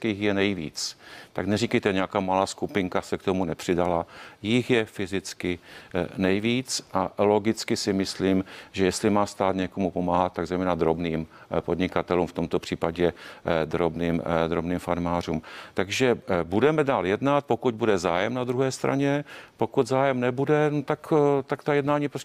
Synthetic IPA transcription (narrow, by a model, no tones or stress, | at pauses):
t͡skɪɪxjɛnɛjvḭːt͡st̪aknɛrikɛjt̪ɛɲɛakaːmalaːskupɪŋkasɛkt̪o̞munɛpr̝̥ɪdalajɪxjɛfɪzɪt͡skɪnɛjviːt͡sʔalo̞ɡɪt͡skɪsɪmɪsliːmʒɛjɛst̪lɪmaːst̪aːt̪ɲɛko̞mupo̞maːɦat̪̚t̪ːaɡzɛjmɛːnad̪ɾo̞bniːmpo̞dɲɪkat̪ɛluːmft̪omt̪o̞pr̝̥iːpaɟɛd̪ɾobniːmd̪ɾobniːmfaɾmaːr̝uːmt̪aɡʒɛbudɛmɛdaːljɛdnat̪̚po̞kud̪̚budɛzaːjɛmnad̪ɾuɦɛːst̪ɾa̰ɲɛpo̞kud̪zaːjɛmnɛbudɛnot̪akt̪akt̪ajɛdnaːɲiːpɾos